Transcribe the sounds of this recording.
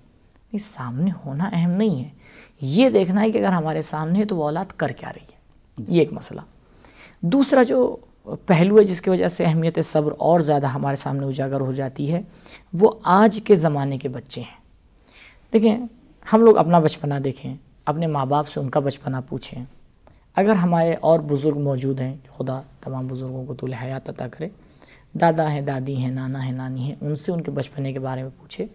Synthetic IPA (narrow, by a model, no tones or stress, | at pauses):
nsaːmnehoːnaʔɛɦɛmnɐɦĩɦɛːjed̪eːkʰnaɦɛkiɐɡəɾɦɐmaːɾesaːmneɦɛ̃t̪oʋɔːlaːt̪kɐɾkea̰ːɾɐɦiɛː | jeːkmɐsla̰ | d̪uːsɾad͡ʒoː | pɛɦluɦɛd͡ʒɪskiʋɐd͡ʒəseɛɦmijət̪esɐbɾɔːɾzjaːd̪aɦɐmaːɾesa̰ːmneʊd͡ʒaːɡəɾɦod͡ʒaːt̪iɦɛː | ʋoaːd͡ʒkezɐmaːnekebɐtːʃeɦɛ̃ː | d̪̥eːkʰẽ | hɐmloːɡɐ̰pnabɐt͡ʃpənad̪eːkʰẽ | ɐpnemaːbaːpseʊnkabɐt͡ʃpənapṵːt͡ʃʰẽ | ɐɡəɾɦɐmaːɾeʔɔːɾbʊzʊɾɡmɔːd͡ʒuːd̪ɦɛ̃ki̥xʊd̪at̪ɐmaːmbʊzʊɾɡõkot̪olɪɦaːjaːt̪ɐt̪akɐɾeː | d̪aːd̪aɦɛ̃d̪aːd̪iɦɛ̃naːnaɦɛ̃naːniɦɛ̃ʔʊnseʊnkebɐt͡ʃpənekebaːɾemẽpuːt͡ʃʰeː